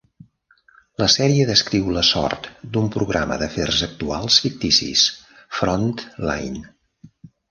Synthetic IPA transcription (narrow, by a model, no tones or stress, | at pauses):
ləsɛɾiəðəskɾiwləsɔ̰rt̪d̪umpɾuɣɾamə̰ðəferzək̚t̪ualˠsfik̚t̪isḭs | fɾɔnt̪la̰jn